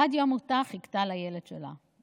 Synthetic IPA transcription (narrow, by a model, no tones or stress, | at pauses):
ad̪jomot̪aχikt̪alajeled̥ʃela̰